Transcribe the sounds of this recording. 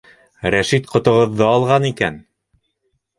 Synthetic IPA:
ɾæʃit̪qŏt̪ŏʁɤ̆ðːɤɑlˠʁɑnikæ̰n

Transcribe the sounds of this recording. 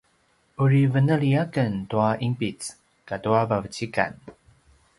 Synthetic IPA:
ʔuɹivənəɭiakəntuaʔimpit͡s | katuavavət͡ɕika̰n

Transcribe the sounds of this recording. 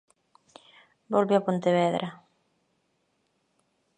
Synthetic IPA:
bolβeapont̪eβɛðɾʔa

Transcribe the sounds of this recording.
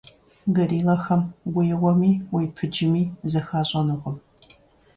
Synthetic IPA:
ɡɐɾiːlɐxɐmɡʷʊjɛwɐmiːwejpʰɨd͡ʒɪmiːzɐxaːɕʼɐnɨʁəm

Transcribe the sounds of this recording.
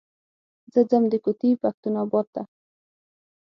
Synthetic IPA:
zəd͡zəmd̪əkʊt̪ipak̚t̪unɔbɔt̪t̪ːa

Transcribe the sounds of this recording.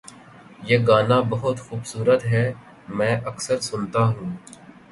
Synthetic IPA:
jeːɡaːnabɐɦʊt̪xuːbsuːɾət̪ɦɛː | mɛ̃ːʔɐksəɾsʊnt̪aɦũː

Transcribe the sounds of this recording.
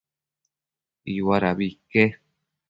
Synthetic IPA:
iwaɾaβike

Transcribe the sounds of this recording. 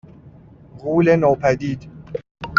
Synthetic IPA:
ɣuːlenoːpʰæd̪iːd̪

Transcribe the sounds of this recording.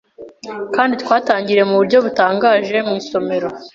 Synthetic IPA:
kaːnditwaːtaːɲɟiɾe̞muβuɾɟo̞βutaːŋɡaːʒe̞mŋiːso̞me̞ɾo̞

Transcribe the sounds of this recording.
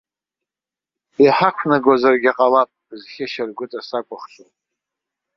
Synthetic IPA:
iħaqʷʰnaɡwazarɡʲaqʼalapʼb̥ɨzχʲɪʃarɡʷʊtʼasakʷʼaχʃʊ

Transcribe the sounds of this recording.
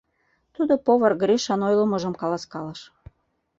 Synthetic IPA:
t̪ud̪opoβɤrɡɾʲiʃɑnojlə̆mə̆ʒəmkɑlɑskɑlɑʃ

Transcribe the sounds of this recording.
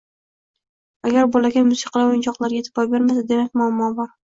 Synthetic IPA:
aɡʲaɾbolaɡʲamʊsɪqʰɑlaojɪnt͡ʃʰɒqlˠaɾɡʲat̪ʰɪbɒjbe̞ɾmasad̪e̞mak̚ʲmʊamːɒbɒɾ

